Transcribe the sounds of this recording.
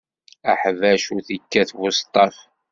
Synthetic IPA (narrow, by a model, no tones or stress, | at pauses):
əħvæʃuθikːæθvʊst̪ˤɑf